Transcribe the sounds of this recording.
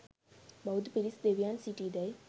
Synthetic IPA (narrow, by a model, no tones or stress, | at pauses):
bɐwd̪piɾisd̪eːʋijaːnsiʈid̪ɐj